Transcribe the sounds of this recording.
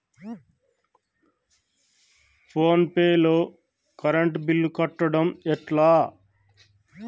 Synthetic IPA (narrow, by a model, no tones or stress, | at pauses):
pʰoːnpeːloː | kɐɾeɳʈbilːukɐʈːɐɽɐmɛʈlaː